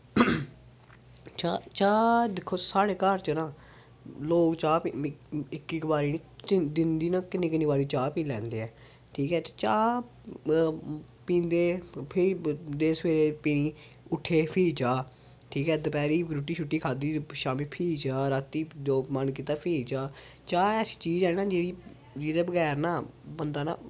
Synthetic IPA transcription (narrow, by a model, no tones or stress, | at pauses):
t͡ʃat͡ʃaːd̪ɪkʰːoːsaːɽeːkəɾt͡ʃənãː | loːkt͡ʃaːpiɪkːiːkbaːɾiːniːt͡ʃd̪ɪnd̪iːnãːkɪnːẽːkɪnːiːbaːɾiːt͡ʃaːpĩːlɛ̃ːnd̪eːɛː | ʈʰiːkɛːt̪et͡ʃaː | pĩːnd̪eːpʰɪɾid̪eːsʋeːɾeːpiːnĩː | ʊʈʰːeːpʰiːt͡ʃaː | ʈʰiːkɛːd̪əpɛːɾiːɡɾʊʈːiːt͡ʃʰʊʈːiːkʰaːd̪iːʃaːmiːpʰiːt͡ʃaːɾaːt̪ːiːd̪oːpmankiːt̪aːpʰiːt͡ʃaːt͡ʃaːɛːsi̥ːt͡ʃiːzɛːnãːd͡ʒeːɾiː | d͡ʒeːd̪eːbəɡɛːɾnãːbənd̪aːna̰ː